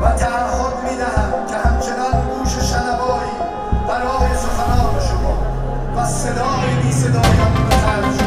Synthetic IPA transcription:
væd̪æɾhɔːd̪miːd̪æɦæmcʲʰehæmt͡ʃʰe̞nɒnɡuːʃeʃænæbɒːɾiː | bæɾɒːjeso̞xænɒːneʃomɔːd̪ | væse̞d̪ɒːjebiːse̞d̪ɒːjambexæld̪ʃ

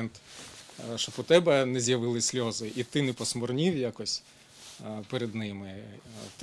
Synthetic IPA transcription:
nt̪ | ʃt͡ʃɔpʊt̪ɛbɛnɛzʲjɐʋɪlˠɪsʲlʲɔzɪʔit̪ɪnɛpɔsmɔrnʲiwjakɔsʲ | peɾed̪nɪmɪt̪

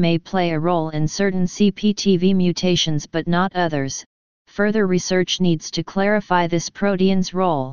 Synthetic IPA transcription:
meɪpʰl̥eɪɨɹoʊlˠɪ̃nsɜ˞ʔn̩sipʰitʰivimjʉtʰeɪʃɨ̃nzb̥ʌtⁿnəɾʌðə˞z̥ | fɜ˞ðə˞ɹisɜ˞t͡ʃnidz̥tʰɨkʰl̥ɛɹɨfaɪðɪspʰɹ̥oʊɾiɨ̃nzɹoʊlˠ

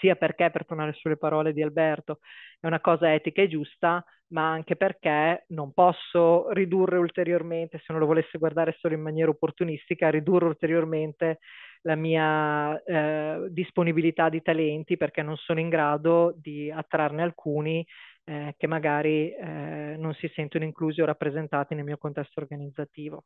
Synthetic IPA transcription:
siːaperkɛpert̪onaːɾesuelepaɾɔːled̪ialbɛrt̪oɛunakɔːzaɛːt̪ikaed͡ʒust̪a | maaŋkeperkenompɔsːorid̪urːeult̪eɾjorment̪eseunolovolesːeɡward̪aːɾesoːloimːanjɛːɾaopːort̪unist̪ikaɾid̪urːeult̪eɾjorment̪elamiːa | d̪isponibilit̪ad̪ːit̪alɛnt̪iperk̟ɛnːonsoːnoiŋɡɾaːd̪od̪iat̪ːɾarnealkʰuːni | kemːaɡaːɾi | nonsisɛnt̪onoiŋkluːziorapːɾezent̪aːt̪inelmiːokont̪ɛst̪orɡanid̪zːat̪iːvo

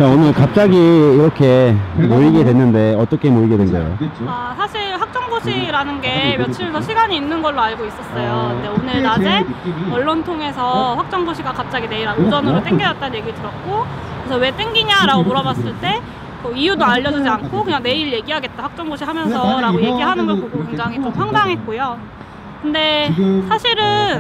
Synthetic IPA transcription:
kaonɯɭkap̚t͡ɕ͈aɡiːɾʌkʰe̞moiɡe̞dwenːɯnde̞ʌt͈ʌkʰe̞moiɡedwenɡʌ̰jo̰asʰaɕʰiɭɸwak̚t͡ɕ͈ʌŋɡoɕʰiɾanɯnɡe̞mjʌt͡ɕʰimjʌnsʰʌɕʰiɡaɲiːnːɯnɡʌɭːoaɭɡois͈ʌs͈ʌjondeonɯɭnad͡ʑeʌɭːʌntʰoŋe̞sʰʌɸwak̚t͡ɕ͈ʌŋɡoɕʰiɡakap̚t͡ɕ͈aɡine̞iɾaɡud͡ʑʌnɯɾot͈eŋɡid͡ʑʌt̚t͈anɲje̞ɡiɾtɯɾʌt̚k͈o | kɯesʰʌwe̞t͈eŋɡiɲaɾaɡomuɾʌbas͈ɯɭt͈e̞ | kʌijudoaʎːʌd͡ʑud͡ʑiankʰokɯɲaŋne̞iɭje̞ɡiɦaɡe̞t̚t͈aɸak̚t͡ɕ͈ʌŋɡoɕʰiɦamjʌnsʰʌɾaɡoje̞ɡiɦanɯnɡʌɭpoɡokuŋd͡ʑaŋit͡ɕ͈omɸʰwaŋdaŋɦet̚k͈ojo | kɯnde̞sʰaɕʰiɾɯn

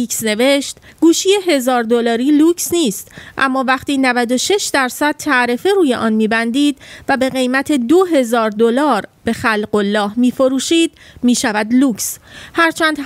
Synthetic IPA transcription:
iksne̞veʃt̪ɡ̥uːʃiːje̞ɦe̞zɒːɾd̪olɒːɾiːluːksniːst̪ʔæ̰mːɒːvæχt̪iːnævæd̪o̞ʃe̞ʃd̪æɾsæd̪̥̚t̪ʰæʔɾefeɾuːjeʔɒːnmiːbænd̪iːd̪væbe̞ɣe̞jmæt̪ʰe̞d̪oɦe̞zɒːɾd̪olɒːɾb̥e̞xælɢo̞lːɒːhmiːfo̞ɾuːʃiːd̪̥miːʃævæd̪luːkshæɾt͡ʃʰæːnd̪̥

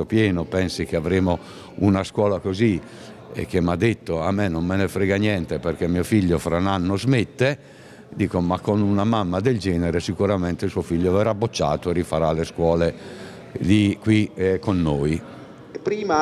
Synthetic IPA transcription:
opjɛːnopɛnsik̟eavɾeːmo | unaskwɔːlakozi | ḛk̟ːemːad̪ːet̪ːoamːɛnomːenefɾɛːɡanjɛnt̪eperkemːiofiʎːofɾananːozmet̪ːe | d̪iːkomakːonunamamːad̪eld͡ʒɛːnɛɾesikuɾamɛnt̪esuofiʎːovɛɾabːot͡ʃːa̰ːt̪oɛrifaɾaleskwɔːle | likːwikonːoːi | pɾiːma

